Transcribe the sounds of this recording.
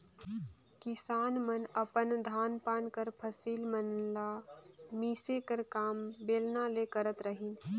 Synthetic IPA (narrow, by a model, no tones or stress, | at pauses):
kɪsaːnmənəpənd̪ʱaːnpaːnkəɾpʰəsiːlmənlamiːsekəɾkaːmbeːlnalekəɾət̪ɾəɦiːn